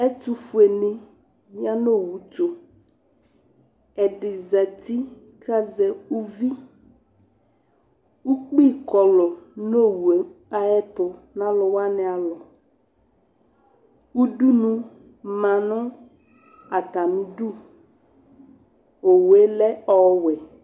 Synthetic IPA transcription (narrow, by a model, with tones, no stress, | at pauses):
ɛ˦t̪u˦fu˨e˨nĩ˦ | m˦a˦no˦˨wu˨t͡ʃo˨ | ɛ˨ɖɪ˨zɛ˨t̪i˦ | ka˦zɛ˨u˦vi˦ | wu˦k͡pi˦˨kɔ˨lɔ˨no˦wu˨e˨˦a˨ɛ˦t̪ʊ˨nã˦lɔ˨wa˦nɛ̃˨a˨lɔ˨ | wu˦ɖu˦nũ˦ | mã˨nʊ̃˦ | a˨t̪a˨mĩ˨du˦˨ | o˨we˦lɛ˦ɔ˨˦wɛ˨